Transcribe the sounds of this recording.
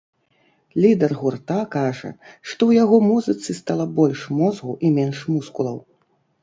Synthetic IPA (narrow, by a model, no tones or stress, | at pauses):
lʲid̪ɛrɣurt̪akaʐɐ̰ʂt̪ɔwjaɣɔmuzɨt̪sɨst̪alˠɐbɔlʲʂmɔzɣuʔimʲɛnʂmuskulˠɐ̰w